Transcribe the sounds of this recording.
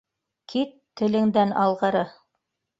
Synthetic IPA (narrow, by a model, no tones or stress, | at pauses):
kʰit̪ːɘ̆lɘ̆ŋd̪ænɑ̰lˠʁɤ̆ɾɤ